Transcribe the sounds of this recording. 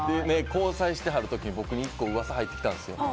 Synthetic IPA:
d̪ene̞ko̞ːsaiɕi̥t̪e̞ɦaɾɯ̟t̪o̞kʲiɲ̟ibo̞kɯ̟ɲ̟iikːo̞ːɯ̟βasaɦait̪ːe̞kʲit̪ãnd̪e̞sɨjo̞̰

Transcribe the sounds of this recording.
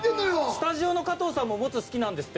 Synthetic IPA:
sɨ̥t̪aʑio̞no̞kat̪o̞ːsãmːo̞mo̞t͡sɨsɨ̥kʲinãnd̪e̞sɨ̥t̪ː

